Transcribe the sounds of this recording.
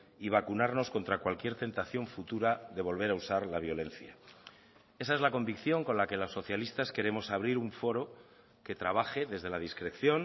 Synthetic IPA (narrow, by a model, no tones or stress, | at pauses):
iβ̞akunaɾno̞sko̞nt̪ɾakwalkje̞ɾt̪e̞nt̪aθjo̞ɱfut̪uɾaðe̞β̞o̞lβe̞ɾausaɾlaβ̞jo̞le̞n̟θja | e̞sae̞zlako̞mbikθjo̞ŋko̞nlake̞lo̞sːo̞θjalist̪aske̞ɾe̞mo̞saβ̞ɾiɾuɱfo̞ɾo̞ | ke̞t̪ɾaβ̞axe̞ðe̞zðe̞lað̞iskɾe̞θjo̞n